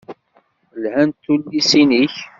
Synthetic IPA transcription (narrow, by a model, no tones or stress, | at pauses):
əlhænt̪ːulːisiniç